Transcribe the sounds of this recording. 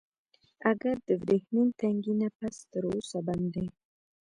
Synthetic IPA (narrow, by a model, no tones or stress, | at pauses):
aɡaɾd̪əvɾehmint̪aŋɡinapast̪əɾusaband̪ej